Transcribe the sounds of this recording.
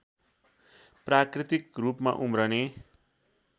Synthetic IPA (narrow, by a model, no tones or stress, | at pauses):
prakrit̪ikrupma̰ʔumɾʌne